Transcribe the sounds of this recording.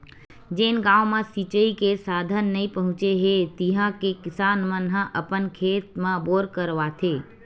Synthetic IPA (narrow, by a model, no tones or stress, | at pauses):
d͡ʒeːnɡãːʋmãsit͡ʃəikesaːd̪ʱənːəĩpəɦʊ̃t͡ʃeɦet̪iɦãkekɪsaːnmə̃nɦãʔəpənkʰeːt̪mãboːɾkəɾʋat̪ʰeː